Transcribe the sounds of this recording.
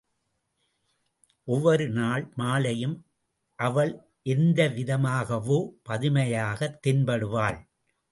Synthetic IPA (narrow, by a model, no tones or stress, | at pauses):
ʔɔʋːɐɾɯnaːɭmaːlɐjɯm | ʔɐʋɐɭ | ʔɛɾnd̪ɐʋɪðɐmaːɣɐʋoːpɐðɪmɐjaːɣɐt̪ːɪnbɐɽɯʋaːɭ